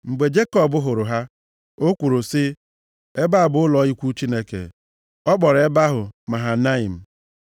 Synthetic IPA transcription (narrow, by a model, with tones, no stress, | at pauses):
ŋ͡m̩˨ɡ͡be˨d͡ʒe˦kɔ˦˨bʊ˦ɦʊ˨ɾʊ˨ɦa˦ | o˦kʷu˨ɾo˨sɪ˦ | e˦ba˦a˨bʊ˨ʊ˦lɔ˨˦i˦kʷu˦t͡ʃi˦ne˦kḛ˨ | ɔ˦k͡pɔ˨ɾe˦ba˦ɦʊ˨ma˨ɦa˨na˦i˨m̩˨